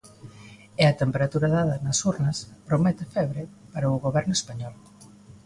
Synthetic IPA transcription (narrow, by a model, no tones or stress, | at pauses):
eɐt̪empeɾat̪uɾɐðaðɐnɐsuɾnɐspɾomɛt̪efɛβɾepaɾɐʊɣoβɛɾnʊespaɲɔl